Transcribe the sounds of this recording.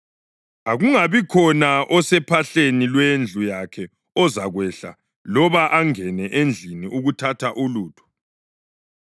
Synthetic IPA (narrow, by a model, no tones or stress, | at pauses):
aɣuŋaβikʰɔnaʔɔsɛpʰaɬenilwend͡ɮʱujakʰɛ | ɔzaɣwɛɬa̰ | lɔβaʔaŋɛnɛʔend͡ɮʱiniʔuɣutʰatʰaʔuluːtʰɔ̥